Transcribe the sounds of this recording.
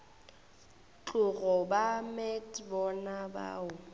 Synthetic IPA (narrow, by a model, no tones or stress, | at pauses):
t͡ɬʊɣɔbamɛtʼbɔnaba̰ːʊ